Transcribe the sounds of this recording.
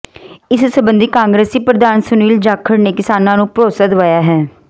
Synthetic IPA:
ɪssəbənd̪iːkãːŋɡɾeːsiːpɾəd̪aːnsʊniːld͡ʒaːkʰəɾneːkɪsaːnãːnũːpɾoːsaːd̪ʋaːjaːɦɛː

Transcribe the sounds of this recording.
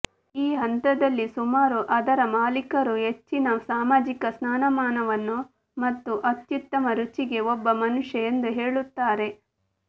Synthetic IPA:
iːɦɐnt̪ɐd̪ɐlːisumaːɾuʔɐd̪ɐɾɐmaːlikɐɾuɦe̞t͡ʃːinɐsaːmaːd͡ʒikɐsnaːnɐmaːnɐʋɐnːu | mɐt̪ːuʔɐt̪jut̪ːɐmɐɾut͡ʃiɡe̞ɔbːɐmɐnuʂjɐend̪uɦe̞ːɭut̪ːaːɾe̞

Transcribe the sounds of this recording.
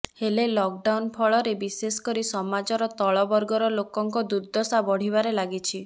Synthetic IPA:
helelɔk̚ɖawnpʰɔɭɔɾebisesɔ̥kɔɾisɔmad͡ʒɔɾɔt̪ɔɭɔbɔɾɡɔɾɔlokɔŋkɔd̪uɾd̪ʱɔsabɔɽ̤ibaɾelaɡit͡ʃʰi

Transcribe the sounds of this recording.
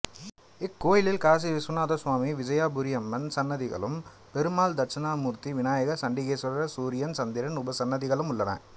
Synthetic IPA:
ɪkːoːjɪlɪlkaːs̬iʋɪsʊnaːðɐsʋaːmiʋɪd͡ʒɐjaːbʊɾɪjɐmːɐnsɐnːɐðɪɣɐ̰ɭɯm | pɛɾɯmaːld̪ɐɾt͡ʃɐnaːmuːɾt̪iʋɪnaːjɐɣɐsɐɳɖɪɣeːsɐɾɾɐsuːɾɪjɐnsɐnd̪ɪɾɐnʊbɐsɐnːɐðɪɣɐɭɯmʊɭːɐnɐ̰

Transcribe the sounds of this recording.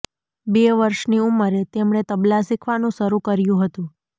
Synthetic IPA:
beʋəɾʃniumːəɾet̪emɳ̃et̪əblasikʰʋanũʃəɾukəɾjũɦət̪ũ

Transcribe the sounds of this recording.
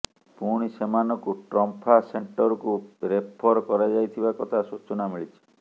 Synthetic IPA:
puɽ̃isemanɔkuʈɾɔmpʰaseɳʈɔɾɔkuɾepʰɔɾkɔɾad͡ʒajt̪ʰibakɔt̪ʰasut͡ʃɔnamiɭit͡ʃʰi̥

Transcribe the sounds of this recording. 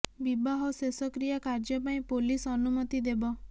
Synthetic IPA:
bibaɦɔsesɔkɾijakaɾd͡ʒɔpaĩpolisɔnumɔt̪id̪ebɔ

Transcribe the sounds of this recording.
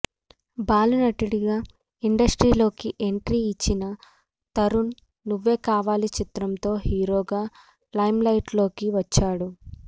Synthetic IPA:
baːlunɐʈiɽiɡaː | iɳɖɐsʈɾiːlo̞ːkiʔe̞ɳʈɾiːt͡ʃːinɐ | t̪ɐɾunː | uʋːe̞ːkaːʋaːlit͡ʃit̪ɾɐmt̪o̞ːhiːɾo̞ːɡaː | lɐjmlɐjʈlo̞ːkiʋɐt͡ʃːaːɽu

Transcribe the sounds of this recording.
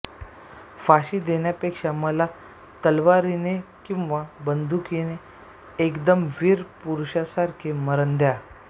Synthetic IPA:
faɕid̪enjapekʂaməla | t̪əlʋaɾinekĩw̃ʋabənd̪ʱukineː | kd̪əmʋiɾpuɾuɕasaɾkʰeməɾənd̪ja

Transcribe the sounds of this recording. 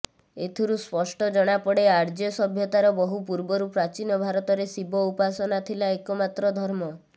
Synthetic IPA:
et̪ʰiɾuspɔsʈɔd͡ʒɔɽ̃apɔɽeaɾd͡ʒjɔsɔbʱjɔt̪aɾɔbɔɦupuɾbɔɾupɾat͡ʃinɔbʱaɾɔt̪ɔɾesibɔupasɔnat̪ʰilaekɔmat̪ɾɔd̪ʱɔɾmɔ

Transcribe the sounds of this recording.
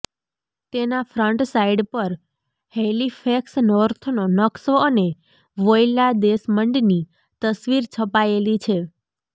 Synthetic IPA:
t̪enafɾəɳʈsaiɖpəɾ | helifʰeksnɔɾt̪ʰnonəksoəne | ʋojlad̪esməɳɖni | t̪əsʋiɾt͡ʃʰəpaelit͡ʃʰe

